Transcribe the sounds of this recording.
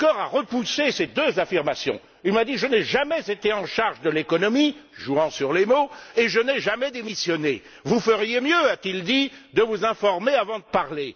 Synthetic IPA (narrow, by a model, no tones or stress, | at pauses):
kɔʁaʁəpusesed̪øzafiʁmasjɔ̰̃ | ilmad̪iʒənɛʒamɛzet̪eɑ̃ʃaʁʒd̪əlekɔnɔmiʒuɑ̃syʁlemoeʒənɛʒamɛd̪emisjɔne | vufəʁjemjøat̪ild̪id̪əvuzɛ̃fɔʁmeavɑ̃d̪əpaʁle